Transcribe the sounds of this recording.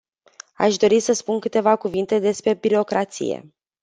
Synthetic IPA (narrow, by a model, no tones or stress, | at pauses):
a̰ʃd̪o̞ɾisəspunkɨt̪e̞vakuvint̪e̞d̪e̞spɾe̞biɾo̞kɾat̪sḭjḛ